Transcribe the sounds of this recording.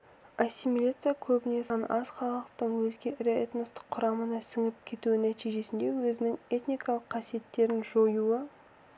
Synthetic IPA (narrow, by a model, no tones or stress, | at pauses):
asʲːimilʲat̪sɨjakʲʰɵbɪne̞sɑnɑzχɑlˠəqt̪əɴwɵzɡʲe̞ʔɪɾeet̪nost̪ɪ̥qʰːʊɾɑmənɑsɪŋɪp̚kʲʰe̞t̪uwɪnæt̪ijʒe̞sɪnd̪e̞wɵzɪnɪŋe̞t̪nʲijkɑlˠəqʰːɑsije̞t̪ːe̞ɾɪnʒojuə